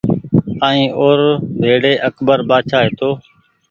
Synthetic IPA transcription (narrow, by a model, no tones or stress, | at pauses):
ãːĩːʔoːɾʋʱeːɽeːʔəkbəɾɓaːt͡ʃʰaːɦeːt̪oː